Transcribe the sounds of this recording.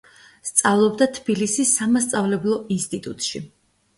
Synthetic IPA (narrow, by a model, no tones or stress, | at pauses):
st̪sʼavlˠɔbd̪at̪ʰbilisisːamast̪sʼavlɛblˠɔʔinst̪ʼit̪ʼut̪ʼʃi